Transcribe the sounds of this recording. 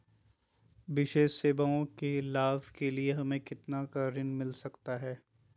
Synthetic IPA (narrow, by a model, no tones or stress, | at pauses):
ʋɪʃeːʃseːbaõkelaːʋkelieɦɐmẽkɪt̪nakɐɾɪnmɪlsɐkt̪aɦɛː